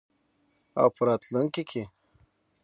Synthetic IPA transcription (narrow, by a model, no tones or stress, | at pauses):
a̰wpʰəɾɑːt̪luŋkekʰe